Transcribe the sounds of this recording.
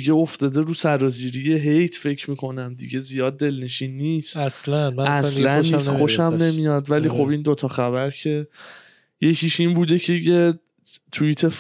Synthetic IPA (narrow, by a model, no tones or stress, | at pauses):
iɡe̞oft̪ɒːd̪e̞ɾuːsæɾɒːziɾijeɦejt̪ʰfe̞cʰɾmiːkʰo̞næmd̪ḭɟe̞zijɒːd̪̚ːe̞lne̞ʃiːnːiːst̪æslænææslænnːiːsxoʃæmne̞mijɒːd̪væliːxo̞bind̪ot̪ʰɒːxæbæɾcʰe̞ | je̞cʰiːʃiːnbuːd̪ecʰeje | t̪ʰuit̪ʰe